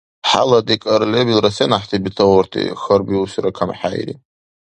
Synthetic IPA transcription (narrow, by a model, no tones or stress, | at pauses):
ħa̰lad̪ikʼaɾlebilrasenaħt̪ʰibitʰawartʰḭxərbiusɾakʰamħajɾḭ